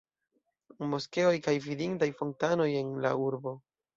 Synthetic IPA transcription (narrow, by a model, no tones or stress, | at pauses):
mo̞ske̞o̞jkajvidiŋtajfo̞ntano̞je̞nla̰uɾbo̞